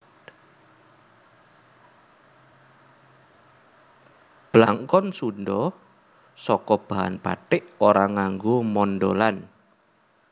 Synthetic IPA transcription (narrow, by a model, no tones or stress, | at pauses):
b̥əlaŋkɔnsunɖɔ | sɔkɔb̥a̤ɦa̰npa̰ʈɪʔoɾaŋaŋɡomɔnɖolan